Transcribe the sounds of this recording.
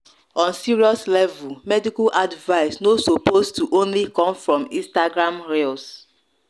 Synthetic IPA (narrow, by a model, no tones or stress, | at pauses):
ɔ̃nsiɹiɔslɛvulmɛdikalʔadvaɪsnosopostuʔõnlikɔ̃mfɹɔ̃mĩstaɡɹãmɹels